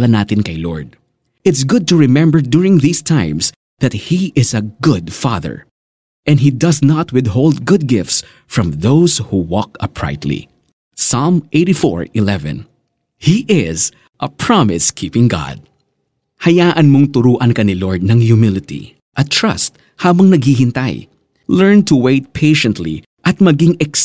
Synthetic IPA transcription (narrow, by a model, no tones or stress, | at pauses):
lɐnaːt̪ɪnkɐjlɔ̰ɹd̪̚ | ʔɪt̪sɡʊd̪̚t̪ʊɹɪmɛ̃mbəɹd̪ʊɹɪ̃ŋðiːst̪ʰãɪ̃ms | ðɐt̪̚hiʔɪzɐɡʊd̪fɑ̰ðə̰ɹ | ʔɛnd̪ɦid̪ɐsnɐt̪wɪd̪ɦold̪̚ɡʊd̪̚ɡɪft̪s | fɹɐ̃mðowshuwɔkɐpɹa̰ɪt̪lḭ | salmʔeɪɾifɔ̰ɹɪlɛvɛ̰̃n | hiʔɪz | ʔɐpʰɹɑmɪskʰipɪ̃ŋɡa̰d̪̚ | hɐjaːʔɐnmoŋt̪ʊɾuːʔɐnkɐnilɔɹd̪̚nɐŋjʊmɪlɪt̪ḭ | ʔɐt̪ɹɐ̰st̪̚ | haːbɐŋnɐɡ̚hiɦɪnt̪aj | lɛɹnt̪uweɪt̪̚pʰeɪʃɛnt̪lḭ | ʔɐt̪̚mɐɡɪŋɛks